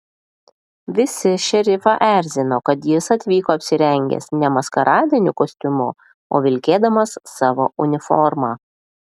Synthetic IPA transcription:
ʋʲɪsʲɪʃʲɛɾʲɪfɑʔæˑɾʲzʲɪnoːkɐt̪jɪsɐt̪ʲʋʲiːkoːɐpʲsʲɪɾʲɛŋʲɡʲɛ̰snʲɛmɐskɐɾʔɑːd̪ʲiːnʲʊkoːsʲt̪ʲʊmʊ | o̰ːʋʲɪlʲkʲeːd̪ɐmɐsːɑːʋo̰ːʔʊnʲɪfɔ̰ɾmɑː

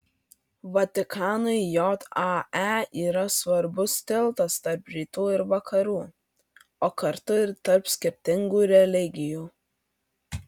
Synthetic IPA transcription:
ʋɐt̪ʲɪkʰɑːnɐɪjɔt̪ɑæiːɾɐsʋɐɾbʊst̪ʲɪlˠˑt̪ɐst̪ɐɾpɾʲiːt̪uːɪɾʋɐkʰɐɾuː | oːkɐɾt̪ʊɾt̪ɐɾpsʲkʲɪɾʲt̪ʲɪŋɡuːɾʲɛlʲɪɡʲɪjuː

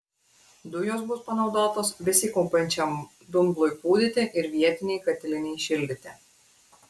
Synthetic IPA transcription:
d̪ʊjoːsbʊspɐnɒʊd̪oːt̪oːsʋʲɪsʲɪkʊmpʲɛnʲt͡ʃʲɛm | d̪ʊmblˠʊjpuːd̪ʲɪt̪ʲeːʔɪɾʋʲiɛt̪ʲɪnʲɛɪkɐt̪ʲɪlʲɪnʲɛɪʃʲɪlʲd̪ʲɪt̪ʲeː

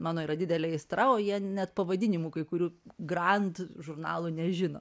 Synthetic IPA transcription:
mɑːnoːiɾɐd̪ʲɪd̪ʲɛlʲɛɪst̪ɾɐoːjiɛnʲɛt̪pɐʋɐd̪ʲɪnʲɪmuːkɐɪkʊɾʲuːɡɾɐnt̪ʒʊɾnɑ̰ːlˠuːnʲɛʒʲɪno̰

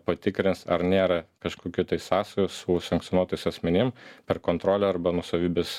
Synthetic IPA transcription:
pɐt̪ʲɪkɾʲɪnsɐɾnʲeːɾɐkɐʃkoːkʲʊt̪ɐɪsɑːsɐjosʊsɐŋkt̪sʲonuɔt̪ojɪsɐsʲmʲɛnʲɪmpʲɛɾkoːnt̪ɾoːlʲɛɐɾbɐnuɔsɐʋʲiːbʲɛs

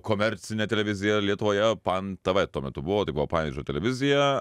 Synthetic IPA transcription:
koːmʲɛɾʲt̪sʲɪnʲɛt̪ʲɛlʲɛʋʲɪzʲɪjɛlʲiɛt̪ʊʋoːjɛpɐnt̪ɐʋɐt̪ːuɔmʲɛt̪ʊbʊʋoːt̪ɐɪbʊʋoɔːpɑːʋʲid͡ʒʲot̪ʲɛlʲɛʋʲɪzʲɪjɛ

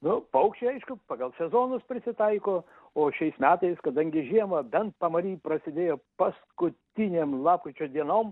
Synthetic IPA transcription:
nʊpɐʊkʃt͡ʃʲɪɐɪʃkʊpɑɡɐlˠsʲɛzoːnʊspʲɾʲɪsʲɪt̪ɐɪkoː | oːʃʲɛɪsmʲæːt̪ɐɪskɐd̪ɐŋʲɡʲɪʒʲiɛmɐbʲɛnt̪̚pɐmɐɾʲiːpɾɐsʲɪd̪ʲeːjoːpɐskʊt̪ʲinʲeːmlˠɑːp̚kɾʲɪt͡ʃʲoːd̪ʲiɛnoːm

